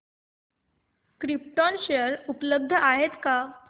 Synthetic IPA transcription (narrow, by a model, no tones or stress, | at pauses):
kɾip̚ʈɔnɕeəɾupləb̚d̪ʱəʔaɦet̪ka